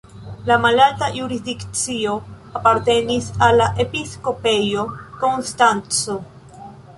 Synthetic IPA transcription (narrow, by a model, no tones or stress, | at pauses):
lamalaltajuɾisdikt͡sio̞ | apaɾte̞nisalːaʔe̞pisko̞pe̞jo̞ko̞nstant͡so